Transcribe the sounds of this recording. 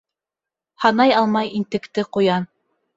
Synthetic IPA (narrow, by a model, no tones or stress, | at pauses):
hɑnɑjɑlˠmɑjint̪ɘ̆kt̪ɘqujɑn